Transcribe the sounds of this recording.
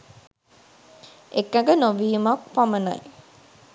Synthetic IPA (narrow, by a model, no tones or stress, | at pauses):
ekːɐɡənoʋiːumakpamənɐ̰j